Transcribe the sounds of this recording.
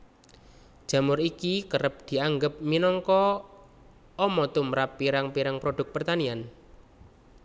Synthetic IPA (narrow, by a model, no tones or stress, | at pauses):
d̥ʒ̥a̤mʊɾikikəɾəp̚d̪̥i̤aŋɡəp̚minɔŋkɔ | ɔmɔt̪umɾapːiɾaŋpiɾaŋpɾoɖ̥ʊ̤k̚pərt̪anian